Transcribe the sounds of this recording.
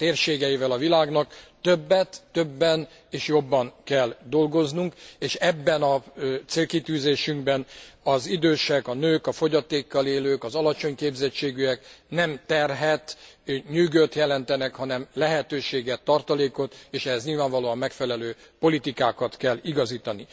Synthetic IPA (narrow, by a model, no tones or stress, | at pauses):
t̪eːrʃeːɡɛjivɛlɒvilaːɡnɒk̚t̪øbːɛt̪ːøbːɛn | eːʃjo̞bːɒnkɛld̪o̞lɡo̞znuŋkeːʃɛbːɛnɒt̪seːlkit̪yːzeːʃyŋɡbɛnɒzid̪øːʃɛkɒnøːkɒfo̞ɟɒt̪eːkːɒleːløːkɒzɒlɒt͡ʃo̞ɲkeːbzɛt͡ʃːeːɡyɛknɛmt̪ɛrɦɛt̪ɲyːɡøt̪jɛlɛnt̪ɛnɛkhɒnɛmlɛɦɛt̪øːʃeːɡɛt̪ːɒrt̪ɒleːko̞t̪eːʃɛɦɛzɲilvaːɱvɒloːɒmːɛkfɛlɛløː | po̞lit̪ikaːkɒt̪kɛlːiɡɒziːt̪ɒni